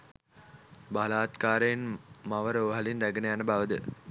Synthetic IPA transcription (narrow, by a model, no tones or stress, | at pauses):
balaːt̪kaːɾejinmaʋəɾoːɦalinræɡənejanəbaʋəd̪ə